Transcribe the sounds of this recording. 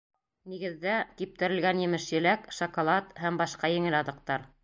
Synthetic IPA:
niɡɘ̆ðːækip̚t̪ɘ̆ɾɘ̆lɡænjɘ̆mɘʃjɘ̆lækʃŏkŏlˠɑt̪hæmbɑʃqɑjɘ̆ŋɘlɑðɤ̆q̚t̪ɑɾ

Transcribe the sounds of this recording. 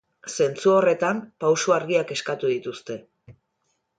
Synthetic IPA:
se̞nt͡suo̞re̞t̪ampawsuaɾɣiake̞skat̪uðit̪ust̪e̞

